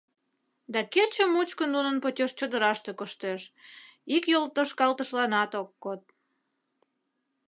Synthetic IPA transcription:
d̪ɑket͡ɕəmut͡ɕkənd̪unənpot͡ɕʲeʃt͡ɕəd̪əɾɑʃt̪ekəʃt̪eʃikjolt̪əʃkɑlt̪əʃlɑnɑt̪okːot̪̚

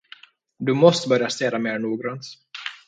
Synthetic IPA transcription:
d̪ɵmɔst̪əbœɾjast̪eːd̪ameːɾɳuːɡɾɑnt̪

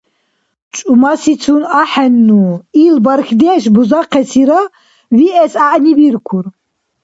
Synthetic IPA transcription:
t͡ʃʼumasit͡sʰunaħɛnːuilbaɾxd̪ɛːʃbuzaqʰɛsʰiɾa | viʔɛsaʔnibiɾkʰuɾ

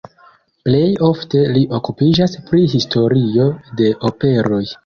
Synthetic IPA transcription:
ple̞jo̞fte̞liʔo̞kupid͡ʒaspɾiɦistʰo̞ɾio̞de̞ʔope̞ɾo̞j

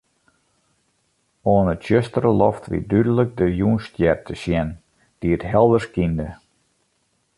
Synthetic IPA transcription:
oːnətɕøstərəlɔftʋḭdydələk̚dəjuənstjɛrtʰəsjɛn | d̥iətɦɛlˠdərskində

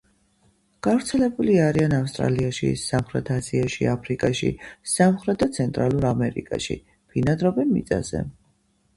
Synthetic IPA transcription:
ɡ̥avɾt̪sʰɛlɛbuliaɾianafst̪ʼɾa̰liaʃḭsamχɾɛt̪ʰaziaʃḭapʰɾikʼaʃḭsamχɾɛt̪̚d̪at̪sʰɛnt̪ʼɾalˠuɾamɛɾḭkʼa̰ʃḭ | pʰinad̪ɾɔbɛnmḭt̪sʼa̰z̥ɛ̰

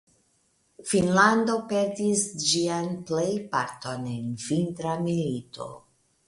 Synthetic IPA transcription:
finlando̞pe̞ɾdisd͡ʒianplejpaɾto̞nenvintɾamilitʰo̞̰

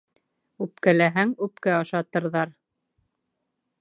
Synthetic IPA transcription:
ʉp̚kælæɦæŋʉpkæɑʃɑt̪ɤ̆ɾðɑɾ

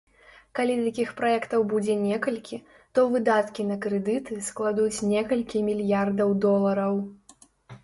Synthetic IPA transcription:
kalʲit̪akʲixpɾajɛkt̪ɐwbud͡zʲɛnʲɛkɐlʲkʲi | t̪ɔvɨd̪at̪kʲinɐkɾɨd̪ɨt̪ɨsklˠad̪ut͡sʲnʲɛkɐlʲkʲimʲilʲjard̪ɐwd̪ɔlˠɐɾɐw

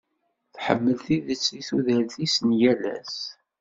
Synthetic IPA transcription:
θħə̰mːəlθiðət͡sːiθuðælθisənjælæ̰s

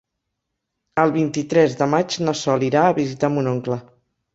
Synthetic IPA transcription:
əlˠβint̪it̪ɾɛzðəmad͡ʒnosɔliɾaəβizit̪amunoŋklə

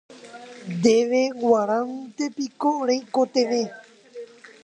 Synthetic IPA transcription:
d̪eʋeɡwaɾãnt̪epikoɾejkot̪eʋe

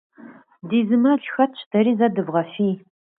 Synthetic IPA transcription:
diːzɨmɐɮxɐt̚ʰt͡ʃʰtʰɐɾiːzɐdɨvʁɐfiː

